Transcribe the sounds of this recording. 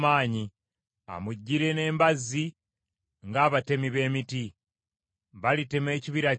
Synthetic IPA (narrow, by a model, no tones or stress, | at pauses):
maːɲi | a̰muɟːiɾe̞ne̞ːmbazi | ŋɡaːβate̞miβe̞ːmiti | βalite̞me̞ːciβiɾa